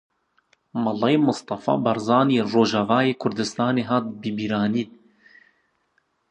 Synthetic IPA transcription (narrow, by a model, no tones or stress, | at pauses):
mɑlːɑmʊst̪ɑfɑ̰ːbɑɾzɑːniroːʒɑvɑːjeːkʰʊɾd̪ɨst̪ɑːneːɦɑːt̪̚bɨbiːɾɑːniːt̪̚